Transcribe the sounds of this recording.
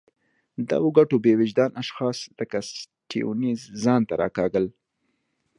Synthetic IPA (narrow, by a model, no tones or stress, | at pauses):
d̪a̰woɡaʈobewɪd͡ʒd̪ɑnʔaʃxɑsləkas | ʈiṵnizzɑnt̪aɾɑ̰kɑɡəl